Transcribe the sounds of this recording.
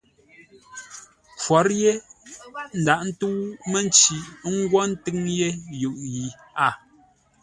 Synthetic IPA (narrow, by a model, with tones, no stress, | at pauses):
kwɔ˨˦ɾje˦ | n̩˨da˨ʔn̩˦tu˦wme˦n˦t͡ʃi˨˦ŋ̩˦ɡwɔ˦n̩˦tɨ˦ŋje˦jɯ˨ʔji˨ | a˦˨